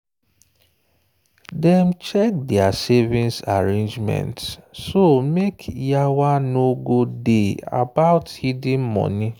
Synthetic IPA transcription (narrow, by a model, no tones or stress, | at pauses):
dɛmt͡ʃɛk̚dɛasevĩnsaɹẽnd͡ʒmɛ̰̃ntssomekʰjawanoɡodea̰baʊthidĩnmɔ̰̃ni